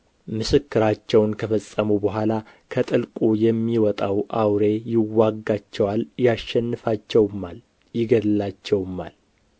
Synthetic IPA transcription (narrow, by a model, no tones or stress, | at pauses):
mɨsɨkːɨɾat͡ʃːɛwnkʰəfəsʼːəmubəɦʷala | kʰət̪ʼɨlkʼujɛmːiwɔt̪ʼawʔawɾe̞jɪwːaɡːat͡ʃːɛwaljaʃːɛnːɨfat͡ʃːɛwmal | jɪɡəlːat͡ʃːɛwmːal